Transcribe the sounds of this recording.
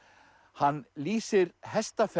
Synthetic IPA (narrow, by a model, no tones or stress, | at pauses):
hanːliːsɪɾɦɛst̪af